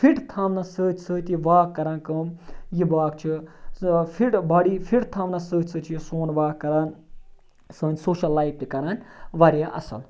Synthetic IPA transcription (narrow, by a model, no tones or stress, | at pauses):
fʰiʈt̪ʰamnɐsəːt̪ʲʰsɨːt̪iʋaːkːɐɾaːnkɨːmjibaːk̚t͡ʃʰi | fʰiʈbɐɽifʰiʈt̪ʰamnɐsəːsʰɨt͡ʃʰijisoːnʋaːkːɐɾaːn | səːnʲsoːʃɐlːaːjp̚t̪ikɐɾaːnʋɐɾjaʔɐ̰sɐ̰l